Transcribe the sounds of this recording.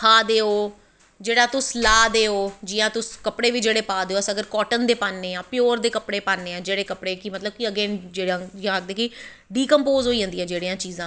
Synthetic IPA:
kʰaːd̪eːoː | d͡ʒeːɽaːt̪ʊslaːd̪eːoːd͡ʒiːãːt̪ʊskəpɽeːʋiːd͡ʒeːɽeːpaːd̪eːoəsəɡəɾkɔːʈənd̪eːpaːnːeːãːpɪjoːɾd̪eːkəpɽeːpaːnːeːãːd͡ʒeːɽeːkəpɽeːkimət̪ləb̚kiəɡeːd͡ʒeːɽãːd͡ʒãɡ̚d̪eːki | ɖiːkəmpoːzɦoːiːə̃nd̪iːɛ̃ːd͡ʒeːɽeːãːt͡ʃiːzãː

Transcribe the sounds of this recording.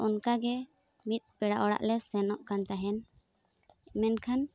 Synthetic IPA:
ɔnkaɡɛ | mit̪̚ˀpɛɽaʔɔɽa̰ʔlɛsɛnɔʔkant̪aɦɛn | mɛnkʰan

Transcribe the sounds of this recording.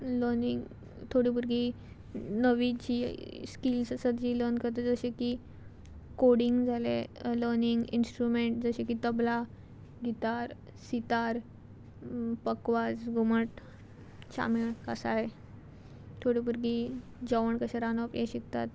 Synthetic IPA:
ləɾniŋɡ | t̪ʰoɽibuɾɡi | nəʋit͡ɕiskilssəd̪d͡ʑiːləɾnkəɾt̪əd͡zəɕeki | koɽiŋɡd͡zʱaleləɾniŋɡḭnsʈɾumeɳʈd͡zəɕekit̪əbla | ɡit̪aɾ | sit̪aɾ | pəkʋad͡zɡʱuməʈ | t͡ɕa̰miɭkasa̰e | t̪ʰoɽibuɾɡid͡ʑəʋəɳkəɕaɾanɔpjeɕikt̪a̰t̪

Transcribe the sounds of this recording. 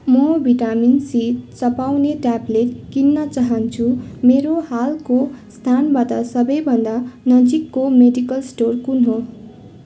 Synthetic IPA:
mʌbʱiʈaminsit̪t͡sʌpawneʈablet̪kinːʌt͡saɦʌnt͡sʰumeɾohalkost̪ʰanbat̪ʌsʌbʌjbʱʌnd̪anʌd͡zikːomeɖikʌlsʈorkunɦo

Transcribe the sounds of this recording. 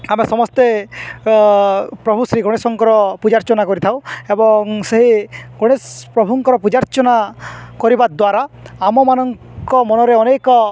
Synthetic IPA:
amesɔmɔst̪e | pɾɔbʱusɾiɡɔɽ̃esɔŋkɔɾɔpud͡ʒaɾt͡ʃɔnakɔɾit̪ʰaw̃ebɔŋseɦiɡ̥ɔɽ̃espɾɔbʱuŋkɔɾɔpud͡ʒaɾt͡ʃɔnakɔɾibad̪waɾaamɔmanɔŋ | kɔmɔnɔɾeɔnekɔ

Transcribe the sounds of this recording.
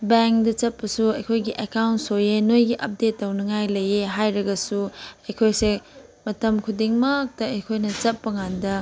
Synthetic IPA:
beŋkdɐt͡ʃɐt̚pɐsuɐjkʰojɡiʔekawntsojenojɡiʔɐp̚detːɐwnɐŋajlɐjeɦajɾɐɡɐsuɐjkʰojse | mɐtɐmkʰudiŋmɐk̚tɐɐjkʰojnɐt͡ʃɐp̚ːɐŋandɐ

